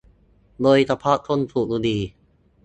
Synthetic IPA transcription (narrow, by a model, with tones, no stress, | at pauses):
loː˧jt̪a˧pʰa˦˥t̪ʰo˥˨nt̪ʰuː˨˩k̚luː˧˩diː˧